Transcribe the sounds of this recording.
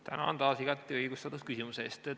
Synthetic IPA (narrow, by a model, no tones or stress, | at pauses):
t̪ʰæ̰nɑ̰ont̪ɑːsiɡ̥ɑt̪ːˑiɤjɡ̥ust̪ɑt̪uskysimuseːst̪e